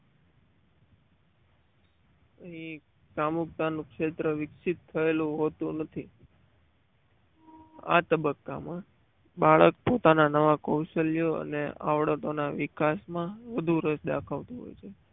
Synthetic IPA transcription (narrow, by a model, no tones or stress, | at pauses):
əɦĩ | kamuk̚t̪anũkʂet̪ɾəʋɪksit̪ʰːəelũɦot̪ũnət̪ʰi | a̰t̪əbəkːa̰mã | baɭək̚pot̪ananəʋakowʃəlijoə̰nea̰ʋɽət̪onaʋɪkasmãʋəd̪ʱuɾəsd̪a̰kʰaʋt̪ũɦo̰jt͡ʃʰe